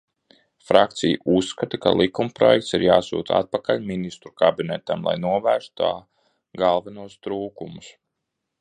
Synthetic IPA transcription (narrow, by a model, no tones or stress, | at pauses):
fɾʔak̚t̪sijuʔusːkat̪aka̰lˠikumpɾɔjɛk̚t̪siɾjaːsṵːt̪a̰t̪̚pakalʲminist̪ɾu̥kabinɛt̪amlˠa̰jnuɔvæːɾst̪t̪aː | ɡalˠvanuɔst̪ɾuːkumus